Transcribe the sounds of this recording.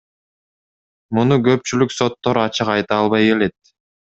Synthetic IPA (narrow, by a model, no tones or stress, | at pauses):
munuɡø̞p̚t͡ʃylykso̞t̪ːo̞ɾɑt͡ʃɯqɑjt̪ɑːlˠβɑje̞le̞t̪̚